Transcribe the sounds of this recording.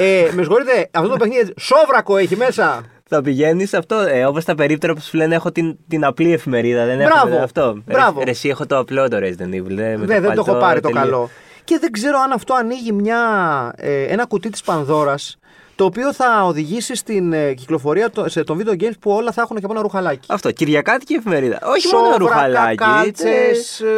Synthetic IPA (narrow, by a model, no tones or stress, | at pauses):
emezɣo̞ɾit̪e̞ɐft̪ot̪ope̞xniðiɐiso̞vɾɐko̞eçime̞sɐ | θɐpiʝe̞nisɐft̪o̞eo̞post̪ɐpe̞ɾip̚t̪oɾɐposflenexot̪int̪inɐplie̞fime̞ɾiðɐðenebɾɐoɐft̪o̞bɾɐvoɾesiexot̪oɐplod̪oɾezd̪enivlemeðeðend̪oopɐɾɾit̪okɐlo̞ | ce̞ðe̞ɡze̞ɾo̞ɐnɐft̪o̞ɐniʝimɲɐ | e̞nɐkut̪it̪i̥spɐnðo̞ɾɐs | t̪o̞ːpio̞θɐoðiʝisist̪inciklo̞fo̞ɾiɐt̪ost̪o̞ɱvid̪eoɟejmspuo̞lɐθɐxunceponɐɾuxɐlɐi̥ɐft̪o̞ciɾʝɐkɐt̪i̥ciefime̞ɾiðɐ̰ʔo̞çimonoɾuɐlɐckɐt͡sess